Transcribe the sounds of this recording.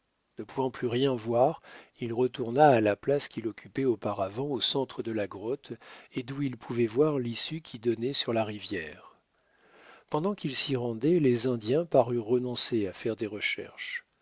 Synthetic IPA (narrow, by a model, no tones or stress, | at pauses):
nəpuvɑ̃plyʁjɛ̃vwaʁilʁət̪uʁnaːlaplaskʲilɔkʲʰypɛopaʁavɑ̃osɑ̃t̪χəd̪əlaɡʁɔt̪ed̪uilpʰuvɛvwaʁlisykʲʰid̪ɔnɛsyʁlaʁivjɛ̰ːʁ | pɑ̃d̪ɑ̃kilsiʁɑ̃d̪ɛlezɛ̃d̪jɛ̃paʁyʁːənɔ̃seafɛʁd̪eʁəʃɛ̰ʁʃ